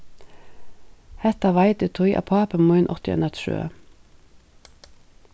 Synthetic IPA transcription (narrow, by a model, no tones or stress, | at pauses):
hɛt̪ɑʋɑɪt̪ət̪ʰʊjʔɑ̰pʰɑːpəmuɪnʔɔt̪ɪ̰nət̪ʃʉ̰ːə̰